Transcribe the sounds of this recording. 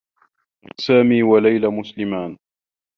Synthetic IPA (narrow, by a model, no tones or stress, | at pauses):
saːmiːwalajlamʊslɪmaːn